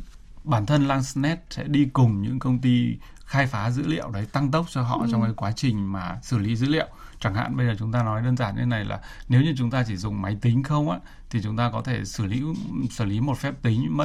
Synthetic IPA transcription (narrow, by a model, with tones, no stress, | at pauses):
ɓaː˧˩nt̪ʰə˧nlaː˧ŋsnɛ˦˥t̚sɛ̰˧˥ɗi˧kʊ˨˩ŋ͡mɲɨ̰˧˥ŋkə˧wŋ͡mt̪i˧ | xaː˧jfaː˨˦zɨ̰˧˥lḭ˧˨əwɗə˨˦jt̪a˧ŋt̪ə˦˥wk͡p̚t͡ɕɔ˧ɦɔ̰˧˨t͡ɕɔ˧wŋ͡mka˨˦jkwaː˨˦t͡ɕï˨˩ŋ̟maː˨˩sɨ˧˩li˨˦zɨ̰˧˥lḭ˧˨ə˨w | t͡ɕa˧˩ŋha̰ː˧˨nɓə˧jzəː˨˩t͡ɕʊ˨˦ŋ͡mt̪aː˧nɔ˨˦jɗəː˧nzaː˧˩nj̰̪ʰe˦na˨˩jlʔa̰ː˨˩ne˨˦wɲɨ˧t͡ɕʊ˨˦ŋ͡mt̪aː˧t͡ɕi˧˩zʊ˨˩ŋ͡mma˨˦jt̪ï˨˦ŋ̟xə˧wŋ͡mʔa̰ː˧˥ | t̪ʰi˨˩t͡ɕʊ˨˦ŋ͡mt̪aː˧kɔ˨˦t̪ʰe˧˩sɨ˧˩lḭ˧˥sɨ˧˩li˨˦mo˨˩t̚fɛ˦˥p̚t̪ï˨˦ŋ̟˧mə˦˥